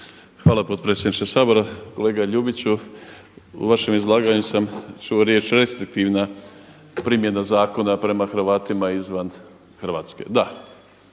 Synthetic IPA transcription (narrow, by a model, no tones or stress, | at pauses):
xʋaːlapo̞t̪̚pɾet̪sʲjed̪nit͡ʃesaːbo̞ɾako̞leːɡaʎuːbit͡ɕu | ṵʋaʃe̞mizlˠaːɡaɲusamt͡ʃuoɾje̞ːt͡ʃɾe̞st̪ɾik̚t̪iʋna | pɾimje̞nazaːko̞napɾe̞maxrʋaːt̪imaizʋan | xr̩ʋaːt̪ske̞̰d̪a